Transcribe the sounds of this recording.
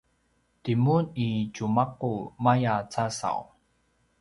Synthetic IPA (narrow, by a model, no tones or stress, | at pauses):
timunit͡ɕumaq̚ːumajat͡sasa̰w